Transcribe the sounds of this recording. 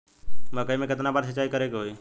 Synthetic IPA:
məkəimẽkɪt̪nabəɾsət͡ʃːaːikəɾekɦoiː

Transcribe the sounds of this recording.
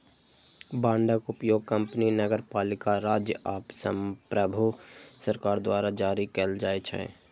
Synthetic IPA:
bãːɳɖəkʊpjoːɡ̚kəmpninəɡəɾpaːlɪkaɾaːd͡ʒjəʔaːpsəmpɾəbʱusəɾkaːɾd̪waːɾad͡ʒaːɾikəld͡ʒaːet͡ʃʰɛ̰

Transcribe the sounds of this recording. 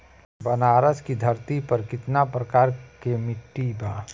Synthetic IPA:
bənaːɾəskid̪ʱəɾt̪ipɐɾkɪt̪napɾɐkaːɾkemɪʈːibaː

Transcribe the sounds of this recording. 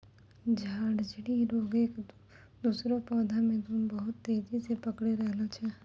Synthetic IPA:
d͡ʒʱaːɽd͡ʒɽiɾoːɡeːk | d̪uːsɾopɔːd̪ʱamẽt̪ʊmbəɦʊt̪ːeːd͡ʒisepɐkɽeɾɛɦlot͡ʃʰɛː

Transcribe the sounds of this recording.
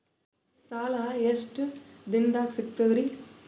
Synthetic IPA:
saːlaːesʈɨd̪ɪnd̪aːksɪkt̪ɐʋɾi

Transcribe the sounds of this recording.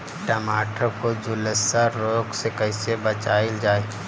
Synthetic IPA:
ʈəmaːʈʰokod͡ʒʊləsaɾɾoːɡsekəɪsebət͡ʃaːɪld͡ʒaːe

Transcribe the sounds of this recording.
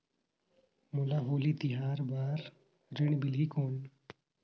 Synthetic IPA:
mulaɦoːliːt̪ɪɦaːɾbaːɾ | ɾɪɳ̃bɪliːkoːn

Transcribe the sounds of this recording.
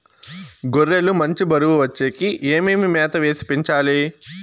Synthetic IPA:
ɡoɾːelumɐɲt͡ʃibɐɾuʋuʋɐt͡ʃːeːkiʔeːmeːmimɛːt̪ɐʋe̞ːsi̥piɲt͡ʃaːli

